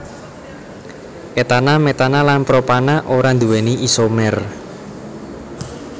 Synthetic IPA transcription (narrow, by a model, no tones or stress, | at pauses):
ʔet̪anamet̪analanpɾopanaʔoɾand̪uwɛniʔisomɛr